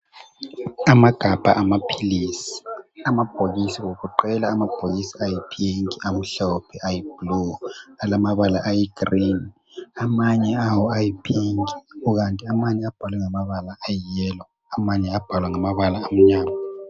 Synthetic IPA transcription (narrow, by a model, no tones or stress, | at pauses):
amaɡ̥ʱab̥ʱʼa̰ʔamapʰiliːsi̥amab̥ʱoɣisiwokuǃɛlaːmab̥ʱoɣisi̥ajipʰieŋkʼiʔam̩ɬɔpʰɛʔajib̥lualamaβalaʔajiɡ̥ʱriːni | amaɲɛawɔajipʰiŋkʼi̥uɣantʼiamaɲɛab̥ʱalwɛŋamaβalaajijɛːlɔ | amaɲɛab̥ʱalwaŋamaβalaːm̩ɲaːma